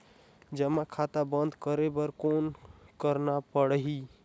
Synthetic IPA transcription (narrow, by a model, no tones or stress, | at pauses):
d͡ʒəmakʰat̪abənd̪ʱkəɾebəɾkonkəɾnapəɽɦi